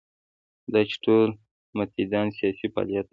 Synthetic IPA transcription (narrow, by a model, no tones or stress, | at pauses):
d̪at͡ʃʈol | mat̪id̪ɑnsijɑsipɑ̰lijat̪̚